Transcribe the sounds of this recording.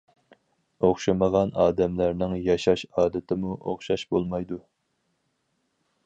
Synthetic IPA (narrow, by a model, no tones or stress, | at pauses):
oχʃɨməʁɑnɑːd̪ɛmlæɾnɪŋjɑʃɑʃɑːd̪ɪt̪ʰɪmuʔo̰χʃɑʃbolˠmɑjd̪u